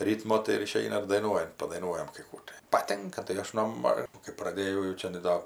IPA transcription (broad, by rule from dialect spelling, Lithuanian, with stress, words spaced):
ˈrʲiːtmoː tɐɪ ɪˈʃʲɛɪnɐ ɪr dɐɪˈnuɔjɛnt pɐdɐɪˈnuɔjɛm kɐɪ ˈkuː tɐɪ pɐˈtʲɪŋkɐ tɐɪ ˈɐʃ noː ˈmɐ kɐɪ prɐˈdʲeːjɛʊ jɛʊ ˈt͡ʃʲæːnɐɪ ˈdoː